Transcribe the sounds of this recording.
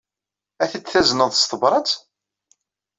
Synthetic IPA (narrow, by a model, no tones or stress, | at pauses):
æθət͡sːθæznəðˤst̪ˤəbɾˤɑt͡s